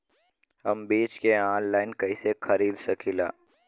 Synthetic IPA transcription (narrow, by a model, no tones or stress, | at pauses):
ɦɐmbiːt͡ʃkeãːnlaːɪnkɐɪsexʰɐɾiːd̪sɐkʰila̰ː